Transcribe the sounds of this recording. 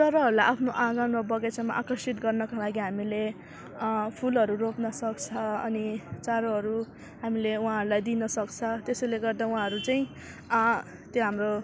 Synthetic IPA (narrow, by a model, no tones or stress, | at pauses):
t͡sʌɾʌɦʌɾulajʔapʰnoʔãɡanmobʌɡet͡sama̰ʔakrʌsit̪ɡʌrnʌkalaɡiɦamile | pʰulʌɾuropnʌsʌkt͡sʰʌʌ̰nit͡saɾʌɦʌɾu | ɦamileuɦãɦʌɾulajd̪inʌsʌkt͡sʰʌt̪esʌjleɡʌrd̪aũɦãɦʌɾut͡saj̃ĩ | t̪joɦamro